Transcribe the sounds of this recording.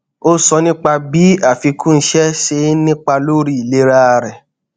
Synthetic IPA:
o˦sɔ˧nĩ˦k͡pa˧bi˨˦a˦˨fi˨˧kũ˦n̩˧ʃɛ˦ʃe˧˦nĩ˦k͡pa˧lo˦ɾi˦i˨le˦ɾa˦˧ɾɛ˨

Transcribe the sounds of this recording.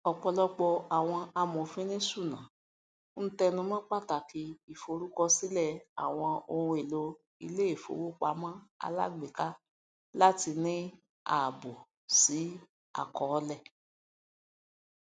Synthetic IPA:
ɔ˨k͡pɔ˧lɔ˧k͡pɔ˧a˨w̃ɔ̃˧a˧mɔ̃˨fĩ˦nĩ˦su˦˨nã̰˨˦ | n̩˦tɛ˧nũ˧mã˦k͡pa˦˨ta˨ki˧i˨fo˨˧ɾu˦kɔ˧si˦lɛ˦˨a̰˨w̃ɔ̃˧o˧hũ˧e˨lo˧ | i˧le˦e˦˨fo̰˨˦wo˦k͡pa˨˦mã˦a̰˧la̰˦ɡ͡be˨ka˦ | la˦ti˧nĩ˦ | a̰˨bo˨ | si˨˦ | a̰˨kɔ˨˦lɛ˦˨

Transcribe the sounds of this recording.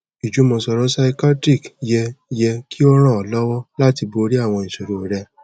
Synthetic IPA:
i˨d͡ʒu˨˦mɔ̃˧sɔ˧ɾɔ˦sa˧i˧ka˦tɾi˦˨kjɛ˧jɛ˧kʰi˦ɔ˧ɾ̃ã˦˨ɔ˨lɔ˦wɔ˦la˦ti˧bo˧ɾi˦a˦˨w̃ɔ̃˧i˨so˨ɾu˦˨ɾɛ˧

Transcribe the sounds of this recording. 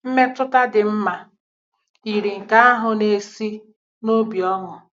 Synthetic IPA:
m̩˦me˦tʊ˦ta˦dɪ˨m̩˦ma˨ | i˨ɾi˨ŋ̩˨ka˦a˦ɦʊ˨ne˨si˦ | no˦bi˨ɔ˦ŋʊ˨

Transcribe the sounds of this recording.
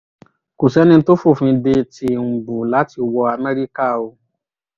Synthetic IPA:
ku˨sɛ˨˦nĩ˧˦to˦fo˦˨fũ˧de˧ti˧˦ũ˨bu˨la˨˦ti˧wɔ˧a˧mɛ̃˦ɾi˦ka˦˨o˧

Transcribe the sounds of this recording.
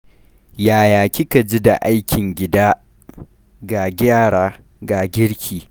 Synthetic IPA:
jaː˨jaː˨kʲɪ˦ka˨d͡ʒi˦da̰˨ʔa˦jkʲɪ˨ŋɡʲɪ˦daː˦ | ɡa˨ɡʲaː˦˨ɽaː˦ | ɡaː˨ɡʲɪ˦ɽkʲʰiː˨

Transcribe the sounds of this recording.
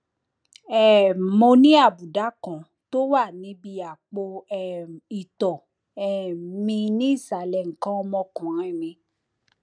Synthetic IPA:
ɛ˨mo˧nĩ˦a˦˨bu˨da˨˦kã˨ | to˦wa˦˨nĩ˨˦bi˧ja˨k͡po˧˨ | i˨tɔ˨ | ɛ˨mĩ˧nĩ˦i˦˨sa˨lɛ˨ŋ̩˨kã˦ɔ˧mɔ̃˧kũ˨ɾĩ˨˦i˦˨nĩ˧

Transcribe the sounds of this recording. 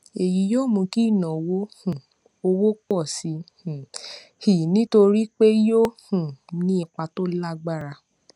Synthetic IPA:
e˨ji˨˦joː˦˨mũ˧ki˦i˦˨nɔ̃˨wo˦hũ˨ | o˧wo˦k͡pɔ˦˨si˧˦hũ˨ | hi˨nĩ˦to˧ɾi˦k͡pe˦jo˦ | ũ˨nĩ˦i˧k͡pa˧to˦la˦ɡ͡ba˦˨ɾa˧

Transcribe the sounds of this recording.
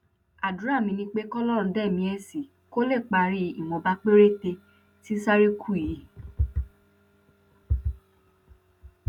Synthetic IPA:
a˨du˨ɾa˦˨mĩ˧nĩ˧k͡pe˦kɔ˦lɔ˦ɾ̩̃˧˦dɛ˦˨mĩ˧ɛ˦˨si˨ | ko˦le˦˨k͡pa˧ɾi˦i˦˨mɔ̃˨˧ba˦k͡pe˦ɾe˦˨te˧ | ti˦sa˦ɾe˦kʰu˦˨i˨˦˨

